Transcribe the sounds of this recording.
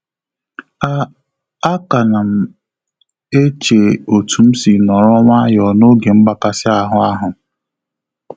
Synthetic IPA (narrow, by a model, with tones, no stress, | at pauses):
a˦ka˨na˨m̩˨ | e˦t͡ʃe˨o˨tu˨m̩˦si˨nɔ˨ɾɔ˦ŋa˦jɔ˨no˦ɡe˨m̩˦ɡ͡ba˨ka˦sɪ˦a˦ɦʊ˦a˦ɦʊ˨